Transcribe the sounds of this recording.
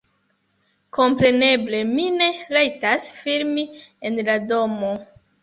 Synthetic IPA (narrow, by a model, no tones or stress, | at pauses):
ko̞mpɾe̞ne̞ble̞mine̞ɾajtasfiɾmienlado̞mo̞